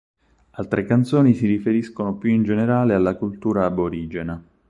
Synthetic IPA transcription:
alt̪ɾekant̪soːnisiɾifeɾiskonopjuind͡ʒeneɾaːlealːakult̪uːɾaːboɾiːd͡ʒena

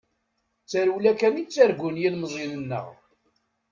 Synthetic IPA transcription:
t͡sːæɾulækæmit͡sːæɾɡʊnjilməzˤinənːə̰ʁ

